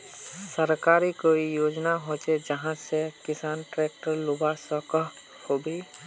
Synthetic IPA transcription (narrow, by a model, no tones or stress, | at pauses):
səɾkaːɾikoijoːd͡ʒnaɦot͡ʃed͡ʒəɦãsekɪsaːnʈɾek̚ʈəɾlubasɔk | hobe